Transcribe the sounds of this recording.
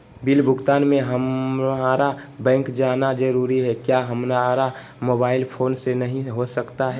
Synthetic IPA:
bilbʱʊɡt̪aːnmẽɦəmaɾabɛ̃ːŋkd͡ʒaːnad͡ʒəɾuːɾiɦɛkjaɦəmnaɾa | moːbaːɪlpʰoːnsenəɦĩɦosəkt̪aɦɛ

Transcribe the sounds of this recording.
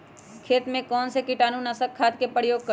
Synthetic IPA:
kʰeːt̪mẽkɔːnsekɪʈaːnunasəkʰːaːd̪kepɾəjoːɡ̚kə

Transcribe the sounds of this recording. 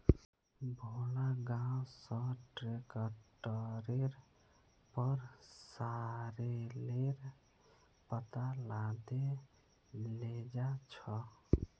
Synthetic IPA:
bʱolaɡãwsʌ̃ʈɾekəʈəɾeɾ | pəɾsaɾeleɾ | pət̪alad̪e | led͡ʒat͡ʃʰɔ

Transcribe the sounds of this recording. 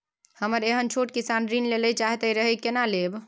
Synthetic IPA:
həməɾeɦənt͡ʃʰoʈ̚kisanɾinleləjt͡ʃaɦt̪əiɾəɦəjkenaleb

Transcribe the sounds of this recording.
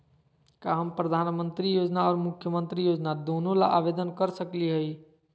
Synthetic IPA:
kaɦəmpɾəd̪ʱanmənt̪ɾijod͡ʒnaɔːɾmukʰjəmənt̪ɾijod͡ʒnad̪onolaʔabed̪ənkəɾsəkliɦəi

